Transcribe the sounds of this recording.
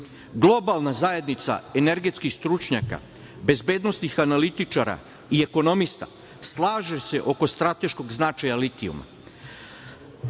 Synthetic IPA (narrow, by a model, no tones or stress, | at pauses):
ɡlˠo̞balˠnazaje̞d̪nit̪sa̰e̞ne̞ɾɡe̞t̪skixst̪ɾut͡ʃɲaka̰ | be̞zbe̞ːd̪no̞snixanalit̪it͡ʃaɾa̰ | ie̞ko̞no̞mist̪a̰ | slˠaːʒese̞ʔo̞ko̞st̪ɾat̪e̞ʃko̞ɡznat͡ʃajalit̪iṵma̰